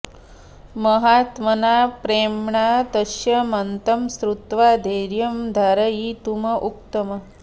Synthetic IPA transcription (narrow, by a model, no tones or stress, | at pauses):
mɐɦaːt̪mɐnaːpɾeːmɳaːt̪ɐʃjɐmɐnt̪ɐmsɾut̪ʋaːd̪ʱeːɾjɐmd̪ʱaɾɐjit̪umɐʔuk̚t̪ɐmɐ